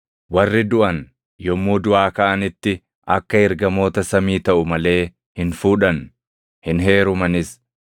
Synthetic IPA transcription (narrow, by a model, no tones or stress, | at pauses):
wɐrːɪd̪ʊʔɐn | jɔmːuːd̪ʊaːkɐʔɐnɪt̪ːɪ | ʔɐkːɐɪɾɡɐmo̞ːt̪ɐsɐmiːt̪ɐʔʊmɐle̞ː | hɪnfuːᶑɐn | hɪnɦe̞ːɾʊmɐnɪs